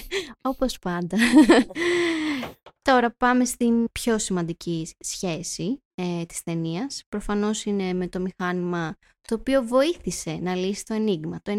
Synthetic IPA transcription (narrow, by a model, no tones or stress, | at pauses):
o̞po̞spɐnd̪ɐ | t̪o̞ɾɐpɐme̞st̪impço̞simɐnd̪icisçe̞si | t̪i̥sθe̞niɐspɾo̞fɐno̞sine̞me̞t̪o̞mixɐnimɐ | t̪o̞ːpio̞vo̞iθise̞nɐlisi̥t̪oɐniɣmɐt̪oe